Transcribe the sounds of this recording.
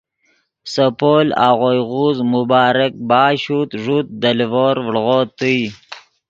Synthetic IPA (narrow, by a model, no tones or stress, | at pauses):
səpola̰ɣojɣuzmʊbɑːɾɪk̚bɑːɕut̪ʐut̪̚d̪əlvoɾvɽɣot̪əj